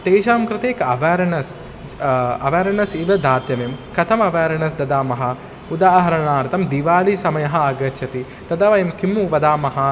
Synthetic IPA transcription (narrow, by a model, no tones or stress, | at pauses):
t̪eːʃaːmkɾɪt̪eːkɐʋaːɾɐɳɐs | ɐ̰ʋaːɾɐnɐsiʋɐd̪ʱaːt̪jɐmemkɐt̪ʰɐmɐʋaːɾɐɳɐsd̪ɐd̪aːmɐɦɐ | ud̪aːɦɐɾɐɳaːɾt̪ɐmd̪iʋaːlisɐmɐjɐɦɐ̆ɐɡɐt͡ʃʰɐt̪i | t̪ɐd̪ɐʋɐjɐmkimːuʋɐd̪aːmɐɦɐ̆